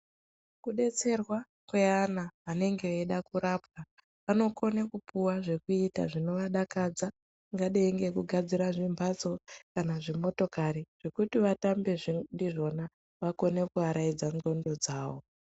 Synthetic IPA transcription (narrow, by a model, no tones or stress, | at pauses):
kuɗe̞t͡se̞rwa | kweanaane̞ŋɡe̞eɗakuɾap̚ka | ʋano̞ko̞nekupuwaʐe̞kuita̰ʐino̞ʋaɗakad͡za | ŋɡaɗeːŋɡe̞kuɡʱad͡ziɾaʐimbʱat͡so̞kanaʐimo̞to̞kaɾiʐ̥ekutiʋatambe̞ʐindiʐo̞na | ʋako̞ne̞kuaɾaid͡zaŋɡo̞ndo̞d͡zaːʋo̞